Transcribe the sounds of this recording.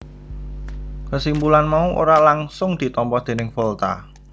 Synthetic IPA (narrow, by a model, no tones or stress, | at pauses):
kəsimbulanmauʔo̰ɾalaŋsʊŋd̪̥i̤t̪ɔmpɔhd̪̥e̤nɪŋfɔlt̪a̰